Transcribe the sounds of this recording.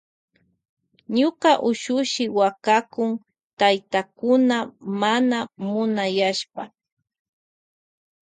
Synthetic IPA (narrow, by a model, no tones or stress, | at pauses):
ɲʊkaʔʊʃʊʃɪwakakʊŋ | t̪ajt̪akʊnamanamʊnajaʃpa